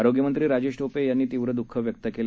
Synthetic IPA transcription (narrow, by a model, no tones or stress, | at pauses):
aɾoɡjəmənt̪ɾiːɾad͡ʑeʂʈopejanːiːt̪iʋɾəd̪ukʰːəʋjək̚t̪əkel